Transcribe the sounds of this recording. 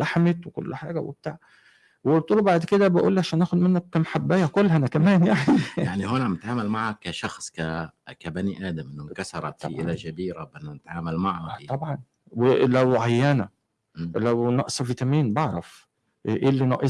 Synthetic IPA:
laħmet̪wekolːħaːɡæwḛb̚t̪aːʕ | welt̪ˤuːlobaʕd̪ked̪æbæʔuːlːiʕaʃæːnʔæːxod̪menːæk̚ːæmaħabːæːjækolːhænækæmæːnjaʕnijaʕniɦonæmet̪ʕaːmælmaʕækːæʃɑxsˤkækæbæniʔæːd̪æmʔnːkæsɑɾˤɑ̰t̪ʔʔɪlæʒæbiːɾæbʔenːænet̪ʕaːmælmaʕt̪ˤɑbʕɑn | welæwʕajːæːnæ | læwnɑʔsˤɑvit̪æmiːnbeʕɾˤɑf | ʔeːlːinɑʔe

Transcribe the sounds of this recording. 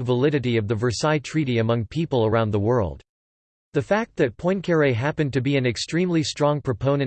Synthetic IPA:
vəlɪɾɨɾiʌvðɨvə˞saɪtʰɹ̥iɾiɨmʌ̃ŋpʰipl̩ˠə˞ãʊ̃nðəwɜ˞lˠd̥̚ | ðɨfæk̚t̪̚ðɨt̚pʰɔ̃ɪ̃nkʰɛɹeɪɦæpɨ̃ntɨbiɨ̃nɨkstɹ̥ĩmlistɹ̥ɔ̃ŋpʰɹ̥ɨpʰõʊ̃nɨ̃

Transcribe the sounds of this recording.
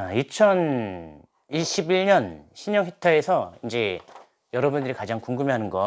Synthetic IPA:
it͡ɕʰʌn | iɕʰibiɭɲʌnɕʰiɲʌŋitʰeesʰʌind͡ʑe̞ | jʌɾʌbundɯɾikad͡ʑaŋkuŋɡɯmeɦanɯnɡʌ

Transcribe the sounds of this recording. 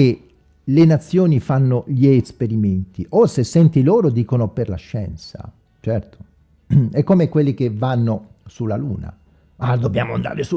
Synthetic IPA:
e | lenat̪sːjoːnifanːoʎiespeɾiment̪iʔosesːɛnt̪iloːɾod̪iːkonoperlaʃːɛ̰nsa̰ | t͡ʃɛrt̪o̥ | ɛkːomekwelːik̟evanːo | sulːaluːna̰ | ad̪obːja̰ːmoa̰nd̪a̰ːɾesu

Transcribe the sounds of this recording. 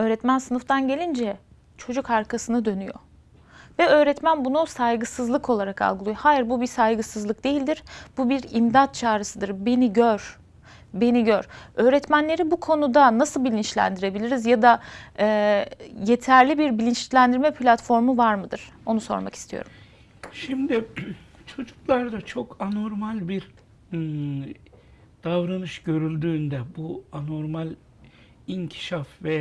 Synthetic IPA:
ø̞ːɾɛt̪mænsɯnɯft̪ʰanɟe̞lʲind͡ʒɛ | t͡ʃʰo̞d͡ʒukʰaɾkʰasɯnɯd̪ø̞nyjo̞̰ | vɛø̞ːɾɛt̪mænbunusajɡɯsɯzlˠɯkʰo̞lˠaɾakʰa̰lˠɡɯlˠɯjohaːjiɾbubisajɡɯsɯzlˠɯk̚d̪e̞jilʲd̪iɾb̥ubiɾimd̪at̪̚t͡ʃʰaːɾɯsɯd̪ɯɾbe̞niɟøɾ̥ | be̞niɟøɾø̞ːɾɛt̪mænlʲe̞ɾibukʰo̞nud̪anasɯlˠbilʲint͡ʃlʲæ̰nd̪iɾe̞bilʲiɾizjad̪aɛːje̞t̪ʰæɾlʲibiɾbilʲint͡ʃlʲænd̪iɾmɛpʰlʲat̪fo̞ɾmuvaɾmɯd̪ɯɾ̥o̞nuso̞̰ɾma̰ki̥st̪ʰijo̞̰ɾumm | ʃimd̪ɪ | t͡ʃʰo̞d͡ʒuklˠaɾd̪at͡ʃʰo̞kʰano̞ɾmalʲbiɾ | d̪̥avɾanɯʃɟø̞ɾylʲd̪yːnd̪ɛbuano̞ɾmalʲ | iɲcʰi̥ʃafvɛ

